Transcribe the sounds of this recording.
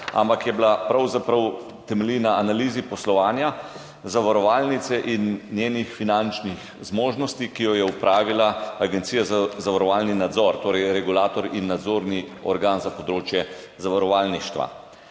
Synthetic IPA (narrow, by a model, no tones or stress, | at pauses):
a̰mpakjɛblapɾawzapɾɐw | t̪ɛmɛlinaːnaliːzipɔslɔʋaːnja | zaʋaɾɔʋalnit̪sɛʔinːjeːnixfinant͡ʃnix | zmoːʒnɔst̪ikijɔjɛupɾʔaːʋilaaɡɛnt̪sijazazaʋaɾɔʋaːlninad̪zɔɾt̪oːɾɛjɾɛɡulaːt̪ɔɾinːad̪zoːɾniɔɾɡanzapɔd̪ɾoːt͡ʃjɛ | zaʋaɾɔʋaːlniʃt̪ʋa̰